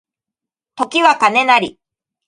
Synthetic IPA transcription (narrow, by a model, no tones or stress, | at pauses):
t̪o̞kʲiβakane̞naɾʲi